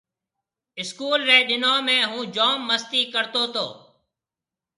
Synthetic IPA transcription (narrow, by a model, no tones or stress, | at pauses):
ɪskuːlʋeːɗɪnoːmẽːɦũːd͡ʒoːmːəst̪iːkəɾt̪oːt̪o̰ː